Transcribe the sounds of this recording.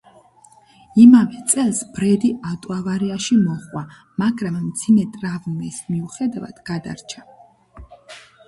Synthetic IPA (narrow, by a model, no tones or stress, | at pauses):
imavɛt̪sʼɛlˠsb̥ɾɛd̪iat̪ʼwavaɾiaʃimɔχwa | maɡɾamːd̪zimɛt̪ʼɾavmɛsmiuχɛd̪ava̰d̪̥ɡ̥ad̪a̰ɾt͡ʃʰḁ